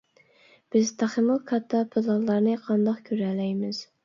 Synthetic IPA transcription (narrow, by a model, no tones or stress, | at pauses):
b̥ɪzt̪ʰɑχɨmɨlˠkʰɑt̪ʰːɑpʰɨlˠɑlˠːɑɾnɨqʰɑnd̪ɑχkʲʰøɾɛlɛjmɪz̥